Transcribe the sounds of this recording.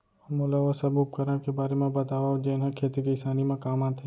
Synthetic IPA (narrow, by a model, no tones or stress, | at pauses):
molaʋəsɐbʊp̚kəɾakebaːɾemẽbɐt̪aːʋaod͡ʒeːnɦɛ̃kʰeːt̪ikiɪsaːnimẽkaːmaːt̪ɦɛ